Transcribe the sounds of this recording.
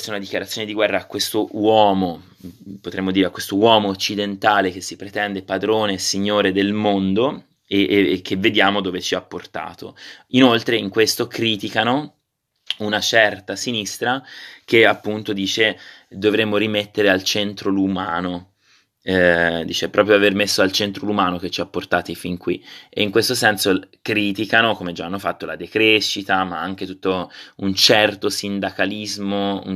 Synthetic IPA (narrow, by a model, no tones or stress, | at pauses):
t͡ʃɛunad̪ikjaɾat̪sːjoːned̪iɡwɛrːaːkːwest̪owɔːmo | pot̪ɾemːod̪iːɾeakwest̪owɔːmoːt͡ʃːid̪ent̪aːlek̟esːipɾet̪ɛnd̪epad̪ɾoːnesiɲːoːɾed̪elmond̪o | ek̟ʰːevːed̪jaːmod̪oːvet͡ʃiapːort̪a̰ːt̪oinolt̪ɾeiŋkwest̪okɾiːt̪ikano | unat͡ʃɛrt̪asinist̪ɾakeapːunt̪od̪iːt͡ʃed̪ovɾemːoɾimet̪ːeɾealt͡ʃent̪ɾolumaːno | d̪iːt͡ʃepːɾɔːp̬ɾjoavermesːoalt͡ʃent̪ɾolumaːnok̟et͡ʃːiapːort̪aːt̪ifiŋkwiḛiŋkwest̪osɛnsokɾiːt̪ikanokomed͡ʒaanːofat̪ːola̰d̪ekɾeʃːit̪amaaŋk̟et̪ut̪ːount͡ʃɛrt̪osind̪akalizmoṵ